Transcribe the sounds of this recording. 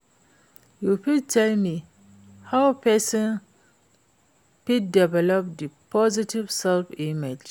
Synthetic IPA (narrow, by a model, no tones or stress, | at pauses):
jupid̚tʰɛlmi | hawpʰɛsɔ̃n | pit̚dɛvɛlɔp̚dipʰɔzitivsɛlfimid͡ʒ